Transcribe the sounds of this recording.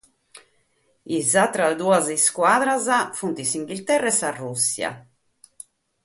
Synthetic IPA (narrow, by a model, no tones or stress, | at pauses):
izat̪ɾad̪uːaziskwaːðɾazafunt̪isiŋɡilt̪ɛrːaɛsarːusːja̰